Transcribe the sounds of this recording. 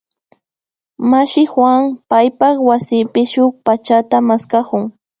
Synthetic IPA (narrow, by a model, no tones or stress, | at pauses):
maʃɪxwaŋpajpaχwasɪpɪʃʊk̚pat͡ʃat̪amaskakʊŋ